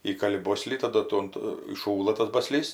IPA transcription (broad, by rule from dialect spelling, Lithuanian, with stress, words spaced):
ˈiːkɐlʲɪ ˈboːsʲlʲiː tɐˈdʊ ˈtuɔm tʊ iːˈʃuːlˠɐ tɐs ˈbɑːˈsʲlʲiːs